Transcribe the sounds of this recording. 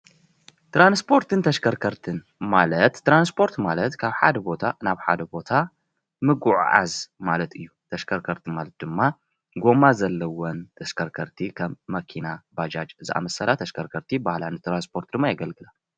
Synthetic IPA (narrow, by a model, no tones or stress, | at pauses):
t̪ɾanspʰo̞ɾt̪ɨnt̪ʰɐʃkʰɐɾkʰɐɾt̪ʰɨn | malɐt̪ːɾanspʰo̞ɾt̪malɐt̪kʰaβħa̰d̪ɐbo̞t̪ʰanaβħa̰d̪ɐbo̞t̪ʰa | mɨɡuʕ̰ʕa̰zmalɐt̪ʰɨjːut̪ʰɐʃkʰɐɾkʰɐɾt̪ʰɨmalɐt̪̚d̪ɨmːa | ɡo̞mazɐlːɐwɔnt̪ʰɐʃkʰɐɾkʰɐɾt̪ʰikʰɐmːɐkʰinabad͡ʒad͡ʒzɨʔa̰mɐsɐlat̪ʰɐʃkʰɐɾkʰɐɾt̪ʰibahlanɨt̪ɾanspʰo̞ɾt̪̚d̪ɨmːajɐɡɐlɡɨlal